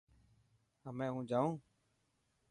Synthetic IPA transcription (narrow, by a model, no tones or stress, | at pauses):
ɦəmẽːɦũːd͡ʒaːũː